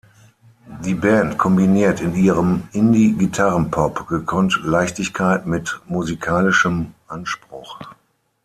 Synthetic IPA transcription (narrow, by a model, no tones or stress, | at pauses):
diːbɛntkʰɔmbiniːɐtɪniːʁəmʔɪndiɡitʰaʁənpʰɔpɡ̥əkʰɔntlaɪçtɪçkʰaɪtmɪtmuzikʰaːlɪʃəmʔanʃpʁ̥ʊχ